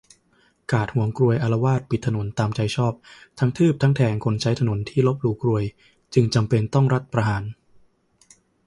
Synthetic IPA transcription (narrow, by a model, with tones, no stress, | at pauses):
kaː˨˩t̪̚hu˩˦əŋkɾu˧əjʔa˧la˧waː˥˩t̪̚pi˨˩t̪ʰːa˧no˩˦nt̪aː˧mt͡ɕa˧jt͡ɕʰɔː˥˩p̚t̪ʰa˦˥ŋt̪ʰɯː˥˩p̚t̪ʰa˦˥ŋt̪ʰɛː˧ŋkʰo˧nt͡ɕʰa˦˥jt̪ʰa˧no˩˦nt̪ʰiː˥˩lo˦˥p̚ɾuː˧˩kɾu˧əj | t͡ɕɯ˧ŋt͡ɕa˧mpe˧nt̪ɔ˥˩ŋɾa˦˥t̪̚pɾa˧ɦaː˩˦n